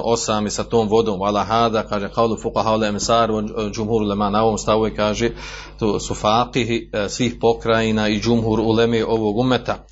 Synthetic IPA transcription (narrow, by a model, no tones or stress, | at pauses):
osaːmisat̪oːmʋo̞d̪oːmwalaɦaːd̪aːkaːʒeqɑwlufuqaɦaːoleemsaːɾd͡ʒumhuːɾulemaːnaoʋoːmst̪aʋoekaːʒe | t̪oːsufaːqɪɦisʋiːhpo̞kɾajiːnaːid͡ʒumɦuɾulemeːʔo̞ʋoːɡumːet̪a